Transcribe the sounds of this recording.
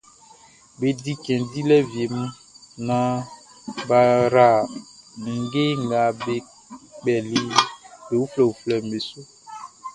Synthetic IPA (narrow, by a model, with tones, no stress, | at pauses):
be˨di˦kɛ̃˨di˦lɛ˦vje˨m˦ | nã˦ | ba˨ɾa˨mĩ˨ŋ˦ɡe˦ŋ˨ɡa˨be˨ | k͡pɛ˨li˦be˨wu˦flɛ˨u˨flɛ˨me˨su˦